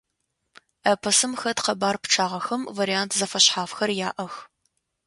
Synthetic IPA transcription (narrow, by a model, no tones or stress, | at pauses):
ɐpʰɐsɨmxɐtqɐbaːrpʈ͡ʂʰaːʁɐxɐmvɐɾijaːntʰzɐfɐɕħaːfxɐrjaːʔɐx